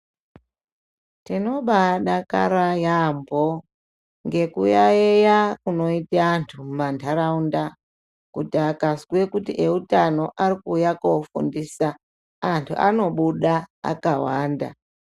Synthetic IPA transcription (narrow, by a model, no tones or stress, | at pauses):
tino̞ɓaɗaka̰ɾajambo | ŋɡe̞kujaejakuno̞itaːntʰummantʰaɾaunda | kutiakaskwe̞kutiʔeutano̞ʔaɾikujakofṵndiːsa | antʰṵʔa̰no̞ɓuɗaa̰kawaːnda̰